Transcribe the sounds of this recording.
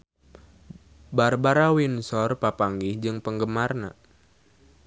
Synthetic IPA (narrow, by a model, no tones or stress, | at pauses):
barbaɾawinsɔrpapaŋɡihd͡ʒɨŋpəŋɡəmarna̰